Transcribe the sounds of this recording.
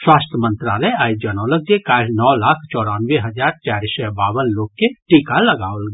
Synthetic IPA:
swaːst̪ʰəmə̃nt̪ɾaləaːjd͡ʒanɔ̃ləɡ̚d͡ʒekaːɾnɔːlaːkʰt͡ʃɔːɽaːnʋeɦəd͡ʒaːɾt͡ʃaːɾisɛbaːwənloːɡ̚keʈikaləɡaːəlɡ

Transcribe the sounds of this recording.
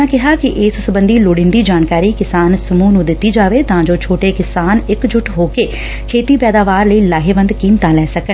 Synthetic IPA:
ãːkɪɦaːkɪʔɪssəbənd̪iːloːɽɪ̃ːnd̪iːd͡ʒaːnkaːɾiːkɪsaːnsəmuːnũːd̪ɪt̪ːiːd͡ʒaːʋeːt̪ãːd͡ʒoːt͡ʃʰoːʈeːkɪsaːnɪkd͡ʒʊʈʰɦoːkeː | kʰeːt̪iːpɛːd̪aːʋaːɾləiːlaːɦeːʋə̃nd̪kiːmt̪ãːlɛːsəkə

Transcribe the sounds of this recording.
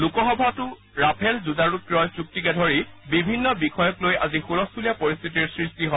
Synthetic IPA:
lukɔxɔbʱatʊ | ɹapʰɛlzudaɹutɹɔjsuk̚tikɛdʱɔɹibibʱinːɔbixɔjɔklojazixulɔsulijapɔɹist̪ʰitiɹsɹistiɦɔ

